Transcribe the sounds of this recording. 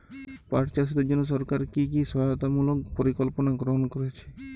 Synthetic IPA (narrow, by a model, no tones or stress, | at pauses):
paʈt͡ɕaʃ̬it̪ed͡ʑonːoʃ̬ɔɾkaɾkikiʃɔɦajot̪amulok̚poɾikolponaɡɾoɦonkoɾet͡ɕʰe̥